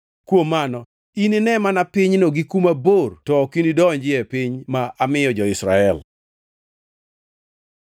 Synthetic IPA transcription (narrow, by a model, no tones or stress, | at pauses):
kwomːanɔ | inɪnɛmanapɪɲnoɡikumabortɔkindidɔɲd͡ʒɪɛpɪɲmaʔamɪjɔd͡ʒɔɪsɾa̰ɛl